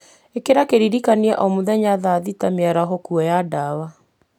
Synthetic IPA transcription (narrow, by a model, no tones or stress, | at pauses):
ekeɾakeɾiɾikania̰ʔɔmuðɛɲaðaðitameaɾaɦɔkuɔjadawa